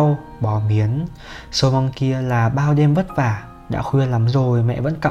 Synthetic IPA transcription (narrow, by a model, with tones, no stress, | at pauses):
w | ɓɔ˨˩˦mi˨˦ən | sə˧˦mɔ˧nki˧əlaː˨˩ɓaː˧wɗɛ˧mvə˦˥t̚vaː˧˩ | ɗa̰ː˧˥xwi˧ənla˨˦mzo˨˩jmɛ̰˧˨və̰˧˥nka̰˧˨